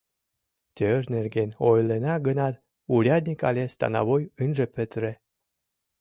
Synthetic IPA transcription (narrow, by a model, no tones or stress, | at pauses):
t̪ʲørnerɡenojlenɑɡənɑt̪ | uɾʲɑd̪̚ʲnʲikɑlʲest̪ɑ̰nɑ̰βojɨnʒĕpøt̪ɾĕ